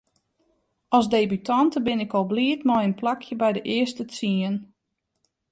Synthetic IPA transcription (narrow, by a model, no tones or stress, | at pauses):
ɔlˠzdeːbytʰɔntəbɪnɪkɔlˠbliətmɔjənplakʰjəbɛjdəʔɪəstət͡siən